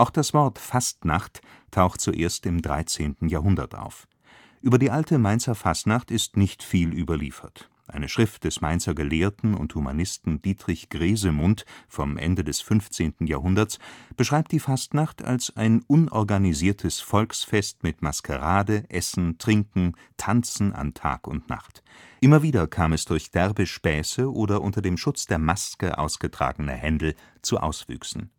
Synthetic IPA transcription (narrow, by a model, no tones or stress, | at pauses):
ʔaʊxd̥asv̥ɔɐtfastna̰χt | tʰːaʊxtt͡suʔeːɐstɪmdʁa̰ɪt͡seːntn̩jaːɐɦʊndɐ̰tʔa̰ʊf | ʔyːbɐdiːʔaltʰəmaɪnt͡sɐfastnaχtɪstnɪçtfiːlʔyːbɐlḭːfɐt | ʔaɪnəʃʁ̥ɪft̚d̥ɛsmaɪnt͡sɐɡəleːɐtn̩ʊ̰nthuma̰nɪstn̩d̥iːtʁ̥ɪçɡ̥ʁeːzəmʊntfɔmʔɛ̰ndədɛsfʏnft͡seːntn̩jaːhɦʊndɐt͡sb̥əʃʁ̥aɪp̚td̥iːfastnaχta̰lsaɪnʔʊnʔɔɐɡaniziːɐtʰəsfɔlksfɛstmɪtmaskə̰ʁaːdəʔɛsn̩tʁ̥ɪŋkŋ̩ | tʰant͡sn̩a̰ntʰa̰ːkʊ̰ntna̰χtʔɪmɐviːdɐkʰaːmɛsd̥ʊɐçd̥ɛʁbəʃpɛːsəʔoːdɐʔʊntɐdeːmʃʊt͡sd̥eːɐmaskəʔa̰ʊsɡ̥ətʁ̥a̰ːɡənə̰hɛndl̩ | t͡suʔa̰ʊsv̥y̰ːksn̩